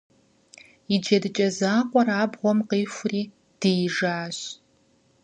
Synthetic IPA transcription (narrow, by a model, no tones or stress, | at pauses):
id͡ʒɐdɨt͡ʃʼɐzaːqʷʼɔraːbʁʷɔmqiːxʷʊriː | d̥ɨjʒaːɕ